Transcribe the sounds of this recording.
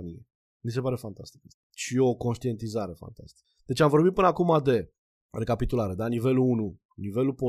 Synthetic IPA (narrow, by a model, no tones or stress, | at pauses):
nie | mis̬e̞paɾe̞fant̪ast̪i̥k | ʃio̞ko̞nʃt̪ie̞nt̪izaɾe̞fa̰nt̪a̰st̪i̥k | d̪̥e̞t͡ʃeamvo̞rbit̪̚pɨnəakumad̪e̞ | re̞kapit̪ulaɾe̞d̪anive̞luunu | nive̞lupo